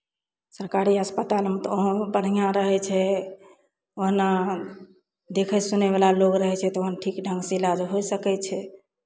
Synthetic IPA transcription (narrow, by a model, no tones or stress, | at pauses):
səɾkaɾiəspət̪almẽt̪oɦbəɽ̤ijãɾəɦɛt͡ʃʰɛ | oɦna | d̪ekʰəsunɛbalaloɡɾəɦɛt͡ʃʰɛt̪ɔoɦnaʈʰikɖʱə̃ŋɡsilad͡ʒɦojsəkɛt͡ʃʰɛ